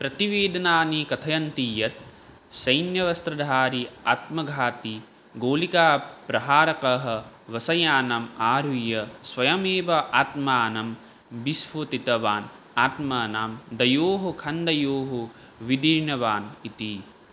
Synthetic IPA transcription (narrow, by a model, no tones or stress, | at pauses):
pɾɐt̪iʋeːd̪ɐnaːnikɐt̪ʰɐjɐnt̪ijɐt̪ | sɐjnjɐʋɐst̪ɾɐd̪ʱaːɾia̰ːt̪mɐɡʱaːt̪i | ɡoːlikaːpɾɐɦaːɾɐkɐɦɐ̆ʋɐsɐjaːnɐmaːɾujɐsʋɐjɐmeːʋɐʔaːt̪maːnɐm | bisʋot̪it̪ɐʋaːn | aːt̪mɐːnaːmd̪ɐjoːɦɐkʰɐnd̪ɐjoːɦu | ʋid̪iɾɳɐʋaːnit̪i